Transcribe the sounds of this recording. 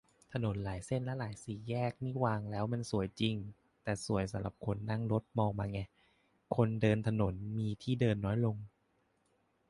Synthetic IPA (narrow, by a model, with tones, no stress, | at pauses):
t̪ʰa˧no˨˩˦nlaː˩˦jse˥˩nlɛ˦˥laː˩˦jsiː˨˩jɛː˥˩k̚niː˥˩waː˧ŋlɛː˦˥wma˧nsu˨˩˦əjt͡ɕi˧ŋ | t̪ɛː˨˩su˨˩˦əjsa˨˩˦mla̰˧˨˩p̚kʰo˧nːa˥˩ŋɾo˦˥t̪̚mɔː˧ŋmaː˧ŋɛ˧˩ | kʰo˧ndɤː˧nt̪ʰa˧no˩˦nmiː˧t̪ʰiː˥˩dɤː˧nːɔː˦˥jlo˧ŋ